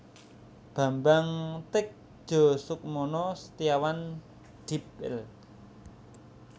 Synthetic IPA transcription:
b̥a̤mbaŋt̪ɪk̚ʒ̥ɔ̤sʊk̚mɔnɔsət̪iawan | d̥ipɪ̰l

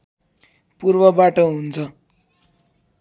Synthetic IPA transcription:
purbʌbaʈʌɦunt͡sʰʌ

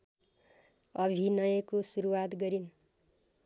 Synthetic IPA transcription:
ʌbʱinʌjʌkosuɾuwat̪ɡʌɾin

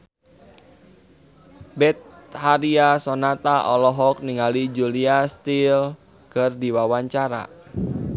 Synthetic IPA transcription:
bɛt̪̚haɾiasɔnat̪aʔɔlɔɦɔk̚niŋalid͡ʒuliast̪il | kərdiwawaɲt͡ʃaɾa̰

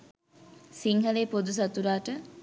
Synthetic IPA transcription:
siŋɦɐleːpod̪us̬ɐt̪uɾaːʈə

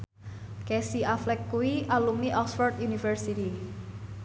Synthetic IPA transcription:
kɛsiʔaflɛkːuwiʔalumiʔɔksfɔrt̪junifərsit̪i

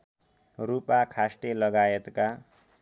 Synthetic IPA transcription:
rupakʰasʈelʌɡajet̪ka

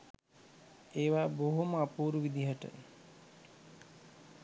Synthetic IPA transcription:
eːʋaːboɦuməapuːɾuʋid̪ʱiɦəʈə̰

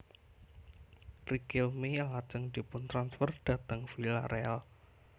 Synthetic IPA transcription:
rikilmiaŋat͡ʃəŋd̪̥i̤pʊnt̪ɾansfərd̥a̤t̪əŋfilaɾɛal

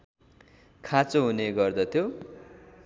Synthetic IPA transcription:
kʰat͡soɦuneɡʌrd̪ʌt̪ʰjo

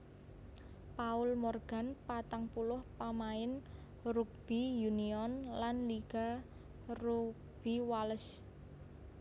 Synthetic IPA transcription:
paʊlmɔrɡ̥a̤npat̪aŋpulʊhpamaɪn | ruk̚b̥ijuniɔnlanliɡ̥a̤ | ruk̚ | b̥i̤waləs

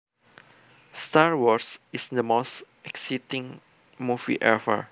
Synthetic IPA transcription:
staɹwɔsisd̪əmos | ɛksitĩŋ | muvḭʔɛfə̰

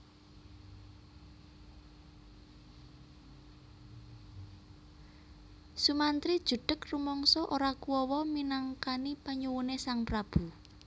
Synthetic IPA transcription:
sumant̪ɾid̥ʒ̥ṳɖ̥əkrumɔŋsɔʔoɾakuwɔwɔminaŋkanipaɲuwunesaŋpɾab̥ṳ

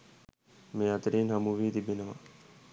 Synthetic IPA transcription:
mẽːɐt̪əɾiːnɦɐmuʋiːt̪ibenəʋa̰

